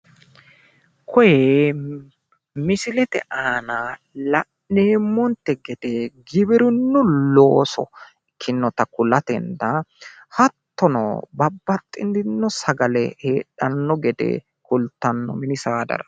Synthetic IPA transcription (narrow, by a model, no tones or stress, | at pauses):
kʰɔje | mɪsɪlɛt̪ɛʔaːna | lɐʔeːmːɔnt̪ːɛɡɛd̪eɡɪbɪɾʊnːʊlo̞ːsɔ̰ | kʰːɪnːɔt̪ɐkʊlɐt̪ɛnd̪ɐ | hɐt̪ːɔnɔ̰bɐbːɐt̪ʼːɪnd̪ɪnːɔsɐɡɐlɛheːɗɐnːɔɡɛd̪ɛ̰ | kʊlt̪ːɐnːɔmɪnɪsaːd̪ɐ̰ɾɐ